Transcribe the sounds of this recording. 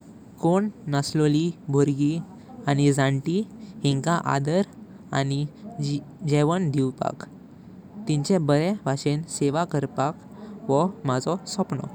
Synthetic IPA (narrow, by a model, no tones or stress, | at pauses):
koɳnəslɔlibʱoɾɡi | anid͡zãɳʈihĩŋkaʔa̰d̪əɾ | a̰ni | d͡ʑɛʋəɳd̪iwpa̰k | t̪ĩɲt͡ɕɛ̃bəɾɛʋaɕenseʋakəɾpak | ʋɔmad͡zɔsɔpnɔ̰